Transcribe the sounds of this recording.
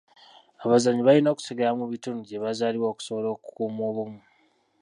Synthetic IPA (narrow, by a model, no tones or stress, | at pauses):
aβazaɲiβaino̞ːku̥seɡalamuβituːnuɟeβazaːliwoːku̥soβolo̞ːku̥kuːmo̞ːβumu